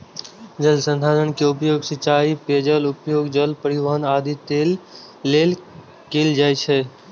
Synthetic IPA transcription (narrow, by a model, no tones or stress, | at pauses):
d͡ʒəlsə̃nd̪ʱaːlənkeʊpjoːɡsɪt͡ʃaːipeːd͡ʒəlʊpjoːɡd͡ʒəlpəɾɪʋaːɦənaːd̪ʱit̪eːlː | eːl | keːld͡ʒaːjt͡ʃʰɛ